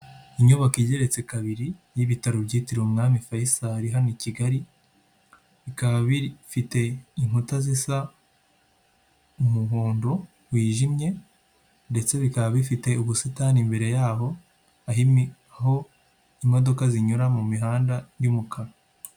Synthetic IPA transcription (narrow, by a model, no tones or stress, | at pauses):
iɲoβakiɟe̞ɾe̞t͡se̞kaβiɾijiβitaɾobɟiːtiɾwumŋaːmifajisaɾiɦaniciɡaɾi | βikaβaβifite̞iŋhutazisa | umuɦoːndo̞ | wiːʒimɲe̞ | nde̞t͡se̞βikaβaβifite̞uβusitaːnimbe̞ɾe̞jaːɦo̞ | aɦimi | aɦo̞ | imo̞do̞kaziɲuɾamumiɦaːndajumukʰaɾa